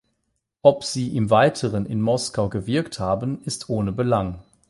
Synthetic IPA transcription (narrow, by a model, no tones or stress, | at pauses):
ʔɔpz̥iːʔɪmvaɪtʰəʁənɪ̰nmɔskaʊɡəvɪɐkthaːbənɪstʰʔoːnəbəlaŋ